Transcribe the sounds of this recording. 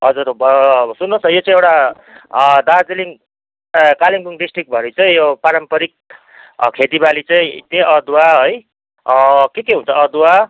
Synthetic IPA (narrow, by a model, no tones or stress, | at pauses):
ɦʌd͡zuɾbsunːõsʌjot͡sãĩewʈa | d̪ad͡ziliŋ | kaliŋbuŋɖisʈrik̚bʱʌɾit͡saĩjopaɾʌmpʌɾik̚ | kʰet̪ibalit͡saĩt̪eʔʌd̪uwaɦoj | kekeɦũnt͡sʰʌʌd̪uwa